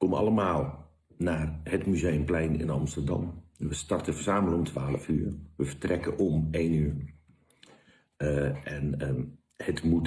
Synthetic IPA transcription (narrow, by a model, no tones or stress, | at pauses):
komɑ̰lˠəmaːlˠ | naːrhətmyzejəmplɛjnɪ̰nɑmstərdɑ̰mʋəstɑrtəfərsaːmələomtʰʋaːlˠəfyːrʋəfə̥trɛkəʔɔmeːnyər | ɛn | hətmut